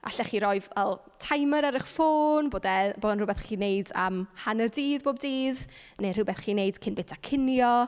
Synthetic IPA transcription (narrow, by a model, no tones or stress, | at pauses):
ʔa̰ɬɛχiːɾɔjvɛlˠ | tʰajməɾaɾɪχfoːnboːdɛboːdənrʊbɛθχiːnejda̰mhanərdiːðboːb̚diːðner̥ʊbɛθχiːnejd̥kʰɪnbɪtʰakʰɪnjɔ